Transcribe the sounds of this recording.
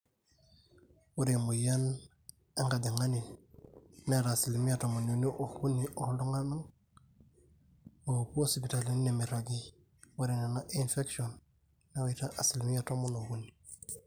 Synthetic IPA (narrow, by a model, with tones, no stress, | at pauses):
wu˦ɾe˨mu˨ja˦n | e˦ŋɡa˨de˨ŋa˦ni˨n | neɾa˨si˨lmi˦a˨to˨mo˨no˨ni˦ʔo˨hu˦niʔo˨hlo˦ŋa˦na˦ŋ | mo˨puo˦si˨pi˨ta˨li˦ne˨mi˨ɾa˨ɡi˦ | wu˦ɾi˨ne˨na˦ʔinfe˦ksionː | e˦wita˦ʔa˨si˨lmi˦a˦to˦mono˨hu˦ni